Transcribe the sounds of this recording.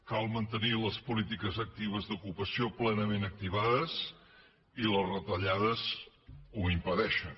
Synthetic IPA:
kalˠmənt̪əniləspulit̪ikəzək̚t̪iβ̞əzðukupəsioplɛnəmenək̚t̪iβaðəs | iləsrət̪əʎaðəz | uimpəðɛʃən

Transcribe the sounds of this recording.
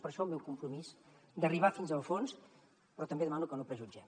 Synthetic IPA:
pəɾʃɔlˠmɛwkumpɾumizd̪əriβafinzəlˠfons | pɾɔt̪əmbeðəmanukənopɾəʒud͡ʒɛ

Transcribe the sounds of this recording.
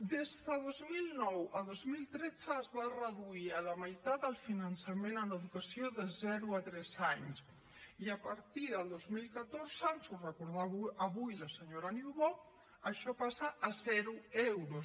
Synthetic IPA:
d̪ezt̪aðozmilnɔwaðozmilt̪ɾet͡saːzβarəðuialamajt̪at̪̚d̪alfinansamẽnaneðukasjoðəzɛɾuat̪ɾɛsaɲs | iapaɾt̪iðəld̪ozmilkat̪oɾsaɲsurəkoɾðaβaβujlaseɲoɾaniuwβo | aʃɔpasaːzɛɾuewɾos

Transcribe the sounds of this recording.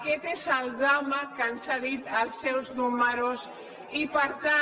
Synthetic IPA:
kɛt̪ezald̪ɾamakansaðit̪əlˠsːɛwznuməɾos | ipəɾt̪a

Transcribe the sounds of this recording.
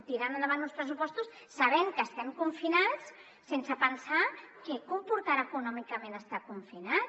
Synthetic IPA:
t̪iɾanand̪əβanulˠspɾəsupɔst̪usːaβeŋkəːst̪ɛmkuɱfinat͡s | sensəpənsa | kɛkumpuɾt̪aɾakunɔmikəmẽnəst̪akuɱfinat̪

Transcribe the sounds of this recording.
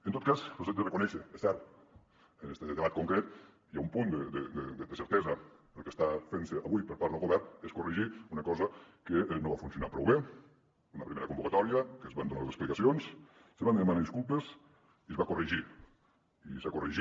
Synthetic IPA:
ənt̪ot̪̚kasosed̪ərəkunɛʃəesɛɾt̪ | ənest̪əðeβat̪kuŋkɾɛt̪ | jaumpund̪əd̪əd̪əd̪əd̪əsəɾt̪ɛzə | əlˠkest̪afenseʔaβujpəɾpaɾðəlˠɣuβɛɾneskuriʒiunakɔzəkənoβafunsiuna̰pɾɔ̰wβe | unəɐpɾimeɾəkumbukat̪ɔɾiəkəzβand̪ounalezeksplikasions | səβand̪emanaðiskulˠpəs | iəzβakuriʒi | izakuriʒi

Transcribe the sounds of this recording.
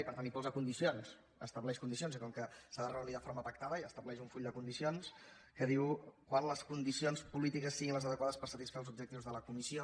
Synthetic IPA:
ipəɾt̪anipɔzəkund̪isions | əst̪əβlɛʃkund̪isionsikɔŋkəsaðərəuliðəfoɾməːpək̚t̪aðəiəst̪əβlɛʃuɱfuʎd̪əkund̪isions | kəðiwkwanləskund̪isionspulit̪ikəsːiɣinləzəðəkwaðəspəɾsət̪isfalˠzub̚d͡ʒək̚t̪iwzðələkumisio

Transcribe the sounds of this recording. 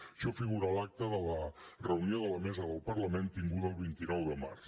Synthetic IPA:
ʃɔfiɣuɾəlak̚t̪əðələrəunioðələmɛzəðəlˠpəɾləment̪iŋɡuðəːlˠβ̞int̪inɔwðəma̰rs

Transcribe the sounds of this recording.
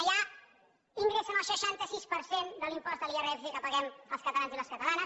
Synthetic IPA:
əja | iŋɡɾesənɔsəʃant̪əsispəɾsend̪əlimpɔzd̪əliarɛɾzikəpəɣɛməlˠskət̪əlanzðiləskət̪əlanə

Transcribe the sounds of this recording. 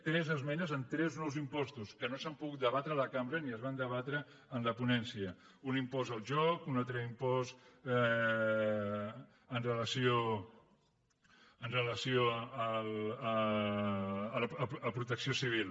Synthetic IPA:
t̪ɾɛzəzmɛnəzənt̪ɾɛznɔwzimpɔst̪uskənosampuɣut̪̚d̪əβat̪ɾələkambɾəniəzβand̪əβat̪ɾəː | nləpunɛnsiə | unimpɔzəlˠʒɔkunalˠt̪ɾəimpɔz | ənrələsio | ənrələsioəl | ləəəpɾut̪əksiosiβ̞ilˠ

